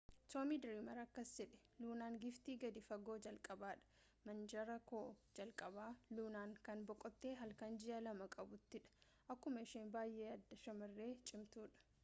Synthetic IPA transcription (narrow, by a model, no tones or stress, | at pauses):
soːmid̪ɪɾimɐɾɐkːɐsd͡ʒɛᶑɛ̥ | luːnaːŋɡɪft̪iːɡɐd̪ɪfɐɡo̞ːd͡ʒɐlkʼɐbaːᶑɐ̥ | mɐnd͡ʒɐɾɐkoːd͡ʒɐlkʼɐbaːluːnaːŋkɐnbɔkʼːɔt̪ːeːɦɐlkɐnd͡ʒɪʔɐlɐmɐkʼɐbʊt̪ːɪᶑɐ̥ | ʔɐkːʊmɐɪʃeːnbaːjʔeːɐd̪ːɐʃɐmɐrːe̞ːt͡ʃʼɪmt̪uːᶑɐ̥